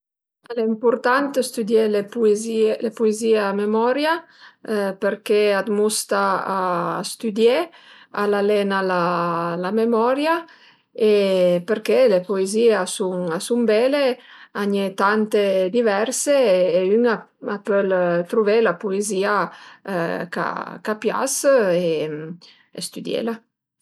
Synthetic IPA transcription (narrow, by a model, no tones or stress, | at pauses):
aleimpuɾt̪ant̪est̪yd̪jelepuezilepueziːeamemɔɾja | peɾkead̪must̪aː | st̪yd̪je | alalɛnalalamemɔɾja | epeɾkelepoeziːasuŋasumbɛleaɲet̪ant̪ed̪ivɛɾseːyŋa | apølt̪ɾuvelapoeziːa | ka̰kapja̰se | est̪yd̪jḛla